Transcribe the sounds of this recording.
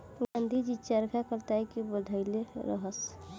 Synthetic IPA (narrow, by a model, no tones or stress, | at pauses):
ɡãnd̪ʱid͡ʒit͡ʃaɾkʰakəɾt̪ajkibəd̪ʱəɪleɾə̰ɦəs